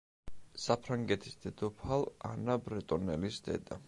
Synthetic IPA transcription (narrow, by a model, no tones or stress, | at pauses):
sapʰɾaŋɡɛt̪ʰi̥sd̪̥ɛd̪̥ɔpʰalˠa̰nabɾɛt̪ʼɔnɛlisd̪̥ɛ̰d̪a